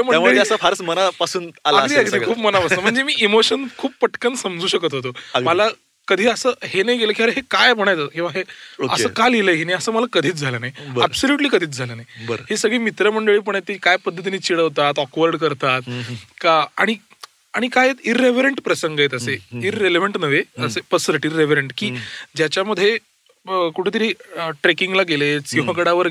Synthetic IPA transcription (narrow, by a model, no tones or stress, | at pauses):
am̤əaeəsəfaɾsmənapasuːnalaiakd̪iːkʰuːpmənapast̪əm̤əɳd͡zemiːimoɕənkʰuːppəʈkənsəmd͡zuːɕəkət̪ɦot̪̬oməla | kəd̪ʱiːəsəːhenajɡeləːkʰĩaɾeɦekajm̤əɽ̃ajt͡sakĩw̃ʋaɦeə̰səːkaleləɦenajəsəːməlakəd̪ʱiːt͡sd͡zʱalənajbæbsoljuʈliːkəd̪ʱiːt͡sd͡zʱalənajbəɦesəɡɭiːmit̪ɾəməɳɖəɭiːp̬əɳet̪ːikajpəd̪ʱːət̪̬iniːt͡ɕiɽəʋt̪at̪ɔkʋəɾɖkəɾt̪at̪̚ | aɽ̃i | aɽ̃ikajet̪iɾːeʋeɾəɳʈpɾəsəŋɡjet̪əseiɾːeleʋəɳʈnəʋeəsepəsɾəʈiɾːeʋ̤əɾeɳʈkiːd͡ʑjat͡ɕjaməd̪ʱːje | kuʈʰet̪əɾiːʈɾekiŋɡlaɡelesiɦə̃kəɽaʋəɾ